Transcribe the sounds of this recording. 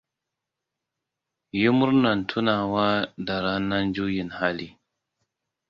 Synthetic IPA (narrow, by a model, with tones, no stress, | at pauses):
ji˦mʊ˦ɾna˨ntʰu˦naː˨wa˦da˨ɾa˦na˦nd͡ʒu˦ji˨nha˦li˦